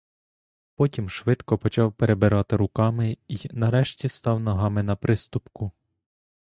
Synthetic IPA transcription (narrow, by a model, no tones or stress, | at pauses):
pɔtʲimʃʋɪt̪kɔpɔt͡ʃɑwpeɾebɪɾɑt̪ɪɾʊkɑmɪinɐɾɛʃtʲist̪ɑwnɐɦɑmɪnɐpɾɪst̪ʊpkʊ